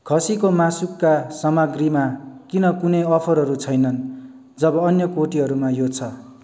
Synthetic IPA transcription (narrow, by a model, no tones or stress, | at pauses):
kʰʌsikomasukːasʌmaɡrimakinʌkunʌjʌpʰʌɾɦʌɾut͡sʰʌjnʌn | d͡zʌbʌːnjʌkoʈiɦʌɾumajot͡sʰʌ